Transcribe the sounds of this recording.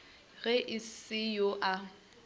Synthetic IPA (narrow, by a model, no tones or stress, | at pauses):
ɣɛʔɪsɪjoʔa